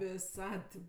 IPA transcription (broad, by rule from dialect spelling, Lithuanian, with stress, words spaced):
ʋʲɪˈsɐt tʲɪp